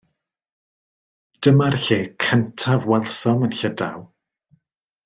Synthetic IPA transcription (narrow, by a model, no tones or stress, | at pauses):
d̥əmarɬeːkʰəntʰavwɛlˠsɔmənɬəda̰w